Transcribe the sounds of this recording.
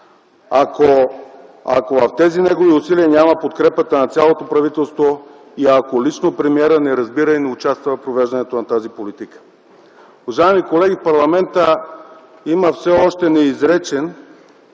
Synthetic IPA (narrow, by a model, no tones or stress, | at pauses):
ako | a̰kovɐft̪ɛzinɛɡoviʊsiliənʲamɐpot̪kɾɛpət̪ənɐt̪sʲjalˠot̪opɾɐvit̪ɛlˠst̪vo | iakolit͡ʃnopɾɛmiɛɾənɛɾɐzbiɾəinɛʊt͡ʃast̪vɐpɾovɛʒd̪ɐnɛt̪onɐt̪azipolit̪ikə̥ | ʊvɐʒaɛmikolɛɡʲifpɐɾlˠɐmɛnt̪ə | iməfsɛɔʃt̪ɛnɛizɾɛt͡ʃɛn